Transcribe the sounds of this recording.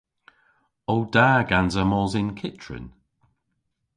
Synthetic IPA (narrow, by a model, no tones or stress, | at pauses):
owdaːɡanzəmɔːzɪnkʰɪtʰɹə̰n